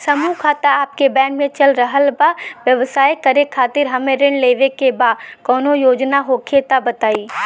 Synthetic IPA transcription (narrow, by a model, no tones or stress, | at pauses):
sɐmukʰaːt̪aaːp̚kebɛ̃ːnmẽt͡ʃɐlɾəɦəlbaʋjɐʋsaːjkɐɾekʰaːt̪ɪɾɦɐmẽɾɪ̃ɳleːʋekebaːdkɔːnojoːd͡ʒnaɦokʰeːt̪abɐt̪aːiː